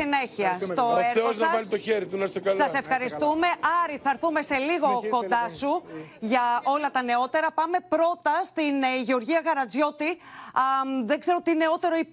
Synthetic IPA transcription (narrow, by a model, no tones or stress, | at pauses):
ineçiɐst̪o̞eɾeosɐɐɐnit̪oçeɾit̪unɐst̪okɐsɐse̞fxɐɾist̪ume̞ʔɐɾiθɐɾθume̞se̞liɣo̞ko̞nd̪ɐsuʝɐo̞lɐt̪ɐne̞o̞t̪e̞ɾɐpɐme̞pɾo̞t̪ɐst̪inʝeo̞ɾʝiɐɣɐɾɐd͡zʝo̞t̪i | ðeɡze̞ɾo̞t̪ine̞o̞t̪e̞ɾo̞ip